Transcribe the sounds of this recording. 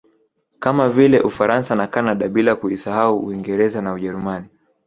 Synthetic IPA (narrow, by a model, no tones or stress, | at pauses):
kamavilɛʔufaɾansanakanaɗaɓilakuisahauːiŋɡɛɾɛzanauʄɛɾumani